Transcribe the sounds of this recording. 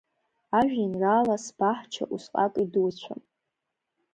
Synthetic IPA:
aʒᶣinraːlasb̥aħt͡ʃʰa̰ʔusqʼakʼiduwt͡ɕʷʰa̰n

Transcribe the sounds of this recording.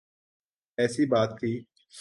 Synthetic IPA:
ɛːsiːbaːt̪̚k̪ʰiː

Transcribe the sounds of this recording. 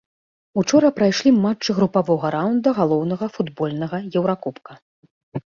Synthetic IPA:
ut͡ʂɔɾɐpɾajʂlʲimat͡ʂt͡ʂːɨɣɾupavɔɣɐɾawnd̪ɐɣalˠɔwnɐɣɐfud̪bɔlʲnɐɣɐjɛwɾakɔpkɐ

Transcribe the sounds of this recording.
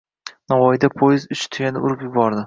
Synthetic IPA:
navɒjɪd̪apʰojɪzʊt͡ʃt̪ʰɪɡʲanɪʊɾɪpjʊbɒɾd̪ɪ

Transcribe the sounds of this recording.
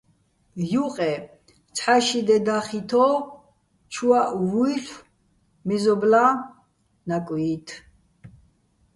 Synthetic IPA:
juqʼɛ | t͡sʰħaʃid̪ɛd̪aχit̪ʰɔ | t͡ʃʰuwaʔwujɬ | mɛzɔbla | nakʼwit̪ʰ

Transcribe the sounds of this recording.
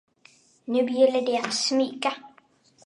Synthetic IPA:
nʉ̟ːjɛlːəɖɛat̪smiːka

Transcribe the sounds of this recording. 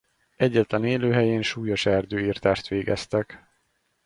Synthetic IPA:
ɛɟːɛt̪lɛneːløːɦɛjeːnʃuːjo̞ʃɛrd̪øːiːrt̪aːʃt̪ʋeːɡɛst̪ɛk

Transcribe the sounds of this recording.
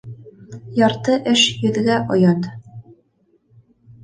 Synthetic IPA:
jɑɾt̪ɤʔɘʃjɵ̆ðɡæʔŏjɑnd̪ɤ

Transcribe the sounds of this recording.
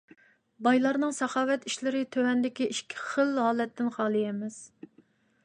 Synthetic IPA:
bɑjlˠɑɾnɨŋsɑχɑːwɛt̪iʃlɪɾɪt̪ʰøwɛnd̪ɪkʲiʔiʃkʲʰi̥χəlɦɑːlɛt̪ʰːɪnχɑːlˠɨjɛmɪz̥

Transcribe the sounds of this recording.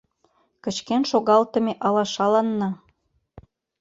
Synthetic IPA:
kə̆t͡ɕkenʃoɣɑlt̪ə̆meʔɑlɑʃɑlɑnːɑ

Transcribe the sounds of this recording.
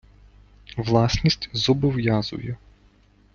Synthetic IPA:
ʋlˠɑsnʲisʲtʲzɔbɔʋjazʊ̰jɛ

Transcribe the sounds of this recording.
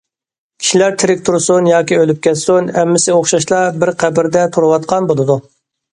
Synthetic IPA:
kʲʰi̥ʃilæɾt̪ʰɪɾɪk̚ʲt̪ʰuɾsunjɑːkʲiølyp̚kʲɛt̪sunɛmːɪsɪoχʃɑʃlˠɑbɪɾqʰæbɪɾd̪ɛt̪ʰuɾuwɑt̪̚qʰɑnbolˠɨd̪u

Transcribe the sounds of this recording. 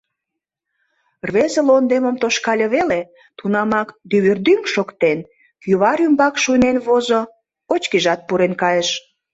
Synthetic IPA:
rβezelond̪eməmt̪oʃkɑlʲəβele | t̪unɑmɑkd̪yβyrd̪yŋkʃokt̪en | kyβɑɾymbɑkʃunenβozo | ot͡ɕkiʒɑt̪̚puɾenkɑjəʃ

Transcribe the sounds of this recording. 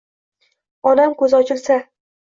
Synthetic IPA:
ɒnamkɵzɒt͡ʃʰɪlsa

